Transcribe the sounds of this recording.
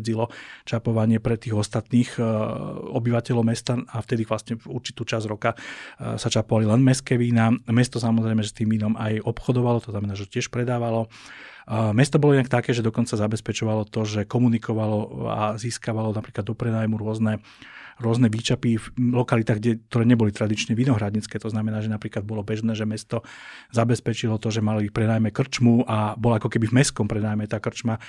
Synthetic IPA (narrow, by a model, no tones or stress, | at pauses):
d͡zilɔt͡ʃapɔʋaɲɪɛpɾɛt̪iːɣɔst̪at̪niːx | ɔbiʋacɛlɔʊmɛst̪aaft̪ɛd̪iːʋlasɲɛuɾt͡ʃi̥t̪uːt͡ʃazɾɔkasat͡ʃapɔʋalilɛnmɛskɛːʋiːnamɛst̪ɔsamɔzɾɛjmɛʒɛst̪iːminɔmajɔpxɔd̪ɔʋalɔt̪ɔznamɛnaːʒɛcɪɛʃpɾɛd̪aːʋalɔ | mɛst̪ɔbɔlɔinakt̪akɛːʒɛd̪ɔkɔnt͡sazabɛspɛt͡ʃɔʋalɔt̪ɔʒɛkɔmunikɔʋalɔa̰ziːskaʋalɔnapɾiːklad̪ːɔpɾɛnaːjmuɾʊɔznɛ | ɾʊɔznɛʋiːt͡ʃapiflɔkalit̪aːɣɡɟɛk̚t̪ɔɾɛːɲɛbɔlit̪ɾad̪it͡ʃɲɛʋinɔɦɾadɲit͡skɛːt̪ɔznamɛnaːʒɛnapɾiːklad̪̚bɔlɔbɛʒnɛːʒɛmɛst̪ɔzabɛspɛt͡ʃilɔt̪ɔʒɛmalipɾɛd̪aːjmɛkr̩t͡ʃmuʔabɔlakɔkɛbivmɛskɔmpɾɛnaːjmɛt̪aːkr̩t͡ʃma